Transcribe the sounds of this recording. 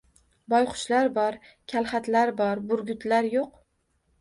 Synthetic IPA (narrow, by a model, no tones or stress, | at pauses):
bɒjqʰʊ̥ʃlaɾbɒɾkʲʰalˠχat̪laɾbɒɾbʊɾɡʲʊt̪laɾjoq̚